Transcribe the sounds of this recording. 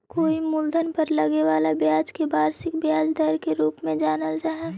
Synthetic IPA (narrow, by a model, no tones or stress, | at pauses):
koːimʊld̪ʱənpəɾləɡeʋaːlabjaːd͡ʒkebaːɾsɪkbjaːd͡ʒd̪əɾkeɾuːpmẽd͡ʒaːnəld͡ʒaːɦɛ